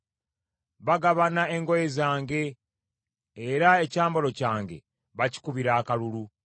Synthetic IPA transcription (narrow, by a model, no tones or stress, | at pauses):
βaɡaβanae̞ŋɡo̞jezaːŋɡe̞ | ɾae̞caːmbolo̞caːŋɡe̞̰ | βaci̥kuβiɾaːkalulu